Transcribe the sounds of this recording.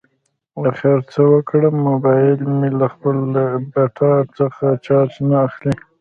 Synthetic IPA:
waxaɾt͡səwəkɽəmːʊbɑjɪlmelaxpələbaʈʰɑt͡səxat͡ʃɑt͡ʃnaːxli

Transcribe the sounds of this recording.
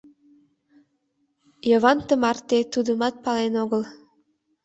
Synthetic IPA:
jɤβɑnt̪əmɑrt̪et̪ud̪əmɑt̪̚pɑlenoɣəl

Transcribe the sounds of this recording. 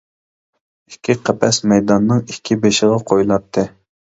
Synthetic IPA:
ikʲʰːiqʰæpʰɛsmɛjd̪ɑnːɨŋikʲʰːibeʃɪʁɑqʰojlˠɑt̪ʰːɨ

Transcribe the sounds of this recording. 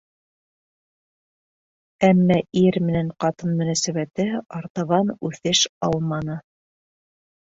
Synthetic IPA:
æmːæʔiɾmɘ̆næɴqɑt̪ɤnmɵ̆næsæβæt̪ɘɑɾt̪ɑβɑnʉθɘʃɑlˠmɑnɤ

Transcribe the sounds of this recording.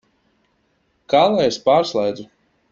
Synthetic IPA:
kalˠaespaːɾslˠɛjd̪zu

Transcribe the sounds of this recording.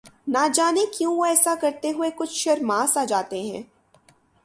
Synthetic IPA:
nad͡ʒaːnekjũoɛːsakɐɾt̪eɦʊekʊt͡ʃʰʃɐɾmaːsaːd͡ʒaːt̪eɦɛ̃ː

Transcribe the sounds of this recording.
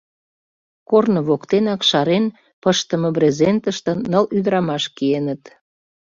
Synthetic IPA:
kornoβokt̪enɑkʃɑɾen | pəʃt̪əməbɾezent̪əʃt̪ə̆nːəlyd̪əɾɑmɑʃkienət̪

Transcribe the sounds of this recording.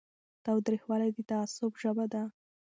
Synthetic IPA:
t̪awd̪ɾixwɑlajd̪ət̪aːsʊbʒəbad̪a

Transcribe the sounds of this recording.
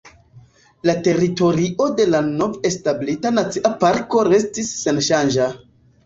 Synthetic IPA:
late̞ɾito̞ɾiʔo̞de̞lano̞ve̞stablitanat͡siʔapaɾko̞ɾe̞stisːe̞nʃand͡ʒa

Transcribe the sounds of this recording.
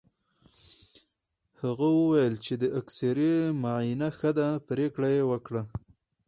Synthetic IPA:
haɣawəwajəlt͡ʃed̪əaksaɾemaʕinaxəd̪apɾekɽajewəkɽa

